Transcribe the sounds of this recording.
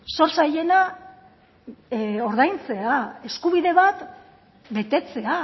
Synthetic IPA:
so̞ɾsaje̞na | o̞ɾðajnt͡se̞ae̞skuβiðe̞βat̪ | be̞t̪e̞t͡se̞a

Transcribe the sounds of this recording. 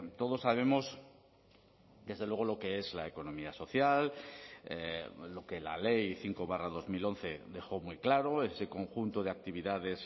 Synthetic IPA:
t̪o̞ð̞o̞sːaβ̞e̞mo̞s | d̪e̞zðe̞lwe̞ɣ̞olo̞ke̞e̞zlaeko̞nõ̞miaso̞θjalelo̞ke̞la̰le̞jθiŋkoβarað̞o̞zmilo̞nθe̞d̪e̞xo̞mwuijklaɾo̞e̞se̞ko̞ŋxunt̪oð̞e̞ak̚t̪iβ̞iðað̞e̞s

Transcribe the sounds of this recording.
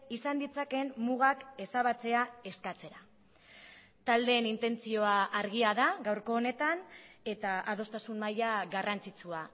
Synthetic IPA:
isand̪it͡sake̞mmuɣ̞ake̞saβat͡se̞ae̞skat͡se̞ɾa | t̪ald̪e̞nint̪e̞nt͡sio̞aʔːɾɣiaðaɣawɾko̞ːne̞t̪ane̞t̪aʔað̞o̞st̪asunmajaɣarant͡sit͡sua

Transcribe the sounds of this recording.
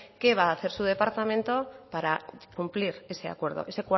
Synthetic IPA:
ke̞β̞aːθe̞ɾsuðe̞paɾt̪amẽnt̪o̞paɾakumpliɾe̞se̞a̰kwe̞ɾð̞oʔe̞se̞kwa

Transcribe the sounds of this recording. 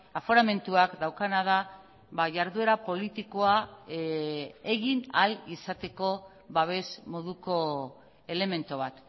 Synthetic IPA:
afoɾame̞nt̪uakd̪awkanað̞a | βaʝaɾðue̞ɾapo̞lit̪iko̞a | e̞ɣinalisat̪e̞ko̞ | βaβ̞e̞smo̞ðuko̞ | e̞le̞me̞nt̪oβ̞at̪

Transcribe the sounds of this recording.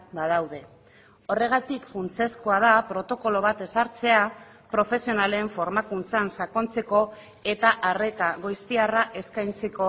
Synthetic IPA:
bað̞awðe̞ | o̞re̞ɣ̞at̪ikfunt͡se̞skoað̞apɾo̞t̪o̞ko̞lo̞β̞at̪e̞saɾt͡se̞a | pɾo̞fe̞sio̞nale̞ɱfo̞ɾmakunt͡sansako̞nt͡se̞ko̞ | e̞t̪aʔare̞t̪aɣojst̪iaraʔe̞skajnt͡se̞ko̞

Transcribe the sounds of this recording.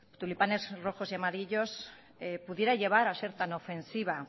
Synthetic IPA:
t̪ulipane̞zro̞xo̞siamaɾiʎo̞s | epuðje̞ɾaʎe̞β̞aɾase̞ɾt̪anofe̞nsiβ̞a

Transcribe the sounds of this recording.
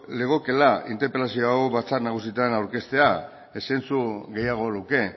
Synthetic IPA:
le̞ɣ̞o̞ke̞laint̪epe̞lasio̞aoβat͡saɾnaɣ̞usit̪anawɾke̞st̪e̞a | esent͡suɣe̞jaɣ̞o̞luke̞

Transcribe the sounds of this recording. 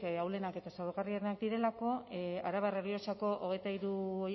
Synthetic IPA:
awle̞nake̞t̪asaɾɣariaɾenakd̪iɾe̞lako̞aɾaβareɾiot͡ʃako̞ʔoɣ̞e̞jt̪aiɾuo

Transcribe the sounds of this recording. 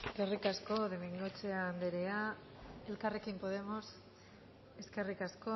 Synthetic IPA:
ɡe̞rikasko̞ðemiŋɡot͡seand̪eɾea | e̞lkare̞kimpo̞ð̞e̞mo̞s | e̞ske̞rikasko̞

